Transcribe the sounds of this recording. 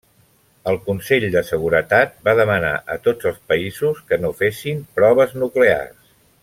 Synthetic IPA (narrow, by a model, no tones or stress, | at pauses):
əlˠkunseʎd̪əsəɣ̞uɾət̪at̪̚baðəməna̰ʔə̰t̪od͡zəlˠspəizuskənofesimpɾɔβ̞əznuklea̰rs